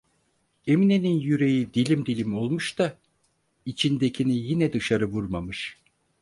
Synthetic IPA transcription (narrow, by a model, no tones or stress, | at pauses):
e̞mineninjyɾe̞jid̪ilʲimd̪ilʲimo̞lˠmuʃt̪a | it͡ʃʰind̪ecʰinijinɛd̪ɯʃaɾɯvuɾmamɯʃ